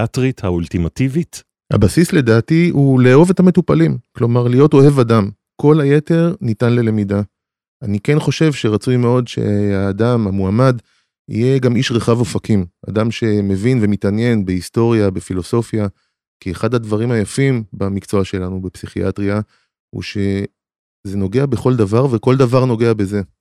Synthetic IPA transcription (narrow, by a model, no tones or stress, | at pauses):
atʁit̪hault̪imativit | ha̰basisle̞daːtiuleːove̞tame̞tupalimklo̞maʁlijo̞to̞ɦe̞vadam | ko̞laje̞te̞ʁnitanle̞le̞mida | anike̞nχo̞ʃe̞vʃe̞ʁat͡sujme̞o̞dʃe̞̰haːdamhamuamad | ḭjeɡamiʃʁeχavo̞fakimʔa̰damʃe̞me̞vinve̞mitanje̞nbeisto̞ʁjabefilo̞so̞fja | kieχadhadvaʁimhajafimbamikt͡so̞aʃe̞lanubepsiχiʔa̰tʁia | hṵʃe̞ | ze̞no̞ɡe̞abe̞χo̞ldavaʁve̞ko̞ldavaʁno̞ɡe̞abe̞ze